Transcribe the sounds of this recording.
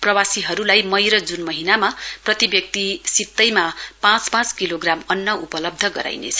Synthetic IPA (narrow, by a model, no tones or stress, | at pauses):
prʌwasiɦʌɾulajmʌjɾʌd͡zunmʌɦinamaprʌt̪ibjʌk̚t̪isit̪ːʌjmapãt͡spãt͡skiloɡramʌnːʌʔupʌlʌb̚d̪ʱʌɡʌ̰ɾa̰jnḛt͡sʰʌ̥